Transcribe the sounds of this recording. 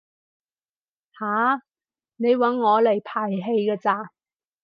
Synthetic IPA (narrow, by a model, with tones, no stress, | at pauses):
haː˨˥ | ne˨˧jwɐ˨˥nŋɔː˨˧le˨˩jpʰaː˨˩jɦe˧jkɐː˧t͡saː˧˩